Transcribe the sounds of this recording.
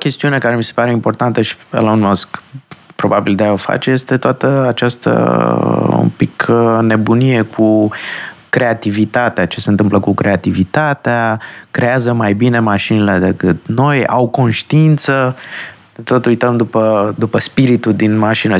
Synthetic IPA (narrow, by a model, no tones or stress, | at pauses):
kʲe̞st̪iune̞kaɾe̞mise̞̥paɾe̞impo̞rt̪ant̪əʃi̥ḛlaunmoskpɾo̞babild̪eaofa̰t͡ʃeje̞st̪e̞t̪oat̪əat͡ʃast̪ə̰ | ṵmpikʰne̞bunije̞kʰu | kɾe̞at̪ivit̪at̪eat͡ʃe̞sent̪ɨmpləkukɾe̞at̪ivit̪at̪eakɾe̞azəmajbine̞maʃinile̞d̪e̞kɨt̪̚no̞ja̰wko̞nʃt̪iint̪sə | t̪o̞t̪ujt̪əmd̪upəd̪upəspiɾit̪uld̪inmaʃinə